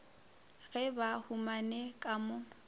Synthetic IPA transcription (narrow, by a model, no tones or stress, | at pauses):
ɣɛbahumanɛkʼamʊ